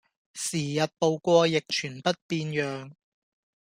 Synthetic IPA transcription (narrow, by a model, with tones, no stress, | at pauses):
siː˨˩jɐ˨t̚po˨˧wkʷɔː˧jɪ˨k̚t͡ʃʰyː˨˩npɐ˥t̚piː˧njœː˨ŋ